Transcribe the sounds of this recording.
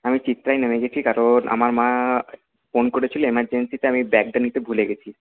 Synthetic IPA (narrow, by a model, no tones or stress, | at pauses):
amit͡ɕit̪ːɾajnemeɡeʈʰikaɾonʔa̰maɾmã | fonkoɾet͡ɕʰiloemaɾd͡ʑensit̪eamibɛk̚ɖanit̪ebʱuleɡet͡ɕʰi